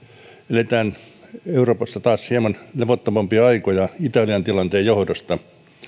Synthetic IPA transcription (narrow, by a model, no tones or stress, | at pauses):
elet̪æːn | euroːpɑsːɑt̪ɑːshiemɑnleʋot̪ːomɑmpiɑɑikojɑit̪ɑliɑnt̪ilɑnt̪eːjjohdost̪ɑ